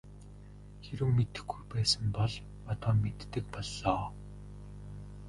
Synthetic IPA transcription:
xeɾɘ̆wmet̪ɘ̆xɡujpæːsə̆mpɔɮ | ɔt̪ɔːmet̪ːɘ̆k̚pɔɮːɔː

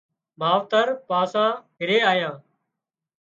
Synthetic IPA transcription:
maːʋt̪əɾpãːsãːɦɪɾeːaːjãː

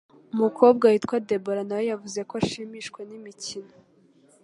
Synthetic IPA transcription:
umukʰo̞ːb̚ɡahiːtkwade̞boɾanawejavuze̞koaʃiːmiːʃkwe̞nimicino

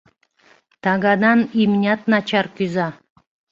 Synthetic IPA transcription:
t̪aɡad̪animnʲat̪nat͡ʃaɾkyza

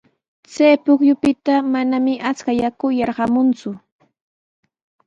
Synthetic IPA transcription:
t͡sajpʊkjʊpɪt̪amanamɪʔat͡skajakʊjɑɾɢɑmʊnt͡sʊ

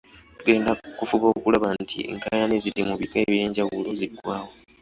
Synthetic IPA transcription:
tuɡe̞ːndakufuβoːkulaβantʰḭŋkajanezilimuβikaeβje̞ːɲɟawulo̞ziɡwaːwo̞

